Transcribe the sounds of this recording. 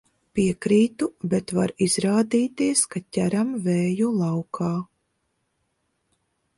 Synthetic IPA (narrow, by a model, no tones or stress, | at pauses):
piɛkɾiːt̪ubɛt̪vaɾizɾaːd̪iːt̪iɛskat̪ʲæɾamvɛːjulˠɑwkʰaː